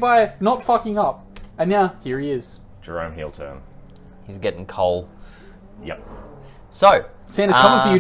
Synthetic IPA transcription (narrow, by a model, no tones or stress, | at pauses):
baɪnətfʌkɪ̃ŋʌp̚ɨ̃njaʊhiɹiɪz̥ | d̥ɹõ̰ʊ̃mɦḭlˠtʰɜ̰̃˞m | hizɡɛɾɪ̃ŋkʰoʊlˠ | jɛ̰p̚ | soʊ | sæ̃ñɨzkʰʌ̃mɪ̃ŋfəjɨ